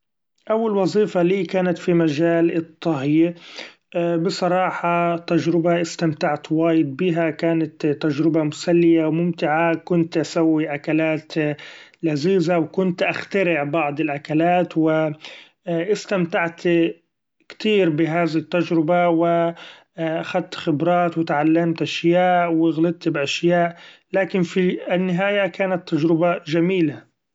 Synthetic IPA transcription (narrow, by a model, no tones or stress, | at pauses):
ʔawːalwɑzˤiːfɑliːkaːnat̪fimaʒaːlɪt̪ˤːɑɦji | ʔbɨsˤɑɾˤɑːħɑt̪ad͡ʒɾɪbaʔɪst̪amt̪aʕt̪waːjɪd̪̚biːɦakaːnat̪t̪ːad͡ʒɾɪbamʊsalːɪjawmʊmt̪ɪʕakʊnt̪ʔasawːiʔakalaːt̪laziːzawkʊnt̪ʔaxt̪aɾɪʕbɑʕd̪ˤɪlʔakalaːt̪wɪ | ʔɪst̪amt̪aʕt̪ | kt̪iːɾbɪɦaːðɪɪt̪ːad͡ʒɾɪbawɪ | ʔaxad̪̚t̪xɪbɾˤɑːt̪wɪt̪ʕalːamt̪ʔaʃjaːʔwɪɣlɪd̪̚t̪bʔaʃjaːʔlaːkɪnfinːɪɦaːjakaːnat̪ːad͡ʒɾɪbaʒamiːla